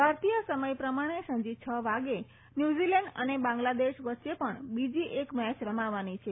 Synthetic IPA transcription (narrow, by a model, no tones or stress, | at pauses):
bʱaɾt̪ijəsəməjpɾəmaɽ̃esə̃ɲd͡ʒit͡ʃʰəʋaɡe | njud͡ʒilɛ̃ɳɖə̰nebãŋɡlad̪eʃʋətːʃepəɳbid͡ʒiʔekmɛt͡ʃɾəmaʋanit͡ʃʰe